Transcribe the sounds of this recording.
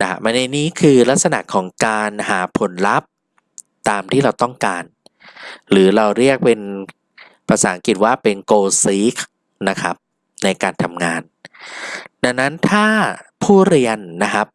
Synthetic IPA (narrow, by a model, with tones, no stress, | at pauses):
na̰˧˩ma˧na˧jniː˦˥kʰɯː˧la˦˥k̚sa˧na̰˨˩kʰːɔː˩˦ŋkaː˧nhaː˩˦pʰo˨˩˦nla˦˥p̚ | t̪aː˧mt̪ʰiː˥˩ɾa˧wt̪ɔ˥˩ŋkaː˧n | ɾɯː˩˦ɾa˧wɾi˥˩ək̚pe˧n | pʰa˧saː˩˦ŋki˨˩t̪̚waː˥˩pe˧nkoː˧siː˦˥k | na˦˥kʰɾa˦˥p̚ | na˧jkaː˧nt̪ʰa˧mŋaː˧n | da˧˩na˦˥nt̪ʰaː˥˩pʰuː˥˩ɾi˧ənːa˦˥kʰa˦˥p̚